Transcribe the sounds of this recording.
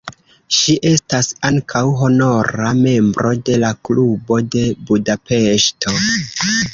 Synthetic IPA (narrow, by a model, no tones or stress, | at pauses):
ʃiʔe̞stasaŋkʰawɦo̞no̞ɾame̞mbɾʔo̞de̞laklubo̞de̞budape̞ʃtʰo̞